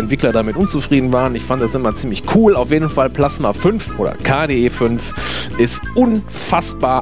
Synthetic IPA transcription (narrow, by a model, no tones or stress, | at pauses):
ɛntv̥ɪklɐdamɪtʔʊnt͡sufʁ̥iːdn̩vaːʁənɪçfanddasʔɪmɐt͡siːmlɪçkʰuːlaʊfjeːdn̩falpl̥asmaːfʏnfʔoːdɐ̰kʰaːdeːʔeːfʏnfʔɪstʔʊn | fasb̥aːɐ